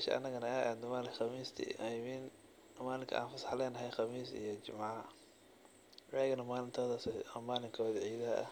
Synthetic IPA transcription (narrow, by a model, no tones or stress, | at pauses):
mɛʃɐ̰ɐ̰nːɐɣɐnɐaʔaːd̪nɐmaːlɪxɑmiːst̪ʰḭamiːn | maːlɪŋkʰɐ̰ʔa̰ːnfɐsħlɛːnɐɦɛjxɑmiːsḭjɔt͡ʃɪmaʕ | rɛːɣɐnɐmaːlɪnt̪ʰɔːðɐsmaːlɪŋkʰɔːðɐʕiːðɐɦɐʔɐ̰